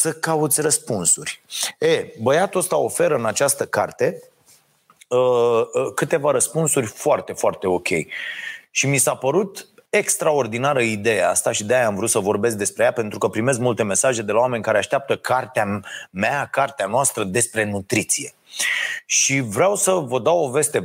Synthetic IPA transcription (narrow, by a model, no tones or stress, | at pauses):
səkaut̪sʲrəspunsurʲebəjat̪uost̪ao̞fe̞ɾəɨnat͡ʃast̪əkart̪e̞ | əkɨt̪e̞vaɾəspunsurʲfoart̪e̞foart̪e̞o̞kʲʰe̞̰jʃimisapəɾut̪e̞kst̪ɾao̞rd̪inaɾəid̪e̞jea̰st̪aʃid̪eajamvɾut̪səvo̞rbe̞s̬k̚d̪e̞spɾe̞japent̪ɾukəpɾime̞s̬kmult̪e̞me̞saʒe̞d̪e̞laowame̞nʲkaɾe̞aʃt̪ʲap̚t̪əkʰart̪eameakart̪eanoʊast̪ɾəd̪e̞spɾe̞nut̪ɾit̪sije̞ | ʃivɾeawsəvəd̪awo̞ve̞st̪e̞